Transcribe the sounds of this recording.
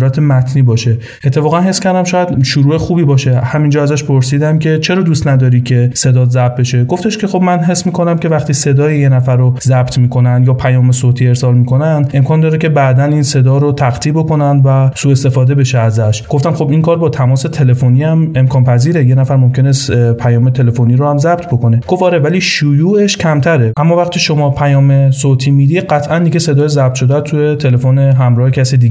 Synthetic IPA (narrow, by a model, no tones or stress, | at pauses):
ɾæt̪ʰemæt̪ʰniːbɒːʃe̞ | e̞t̪ʰːe̞fɒːɣænɦe̞skʰʲæɾd̪æmʃɒːjæd̪ʃuɾuːe̞xuːbiːbɒːʃe̞hæmind͡ʒɒːæzæʃpʰo̞ɾsiːd̪æmcʲʰe̞t͡ʃʰe̞ɾɒːd̪ust̪næd̪ɒːɾiːkʰe̞se̞d̪ɒːzæb̚be̞ʃe̞ɡoft̪e̞ʃke̞xo̞bmænɦe̞smiːkʰo̞næmcʲe̞væχt̪iːse̞d̪ɒːjijenæfæɾozæbt̪ʰmiːkʰo̞nænd̪jɒːpʰæjɒːmesot̪ʰiːe̞ɾsɒːlmiːkʰo̞nænd̪ʔe̞mkʰɒːnd̪ɒːɾece̞bæʔd̪æninse̞d̪ɒːɾot̪ʰæχt̪ʰiːbo̞ko̞nænd̪væsuːe̞st̪e̞fɒːd̪e̞be̞ʃeæzæʃɡ̥o̞ft̪æmχo̞biŋkʰɒːɾbɒːt̪ʰæmɒːse̞t̪ʰe̞le̞foniːæme̞mkʰɒːnpʰæziːɾejenæfæɾmo̞mcʲʰe̞nespʰæjɒːme̞t̪ʰe̞le̞fo̞niːɾohæmzæbt̪ʰboko̞ne̞ɡ̥o̞fɒːɾevæliːʃujuːeʃcʰæmt̪ʰæɾeʔæmːɒːvæχt̪ʰiːʃo̞mɒːpʰæjɒːme̞sot̪ʰiːmid̪iːd̪̚ɢæt̪ʰʔænd̪iɡese̞d̪ɒːjezæb̚t̪ʃo̞d̪æt̪ʰuje̞t̪ʰe̞le̞foneɦæmɾɒːhecʰæsid̪iːɡe